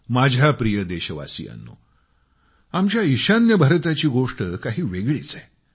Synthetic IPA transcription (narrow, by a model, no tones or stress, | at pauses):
mad͡ʑʱjapɾijəd̪eɕəʋa̰sḭːa̰nːṵ | amt͡ɕjaiɕanjəbʱəɾt̪at͡ɕiːɡoʂʈəkaɦiːʋeɡɭḭːt͡sae